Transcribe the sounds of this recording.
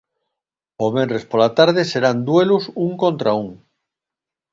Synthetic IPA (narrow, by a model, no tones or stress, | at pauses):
omenrespolat̪aɾð̞ese̞ɾand̪we̞lusuŋkont̪ɾauŋ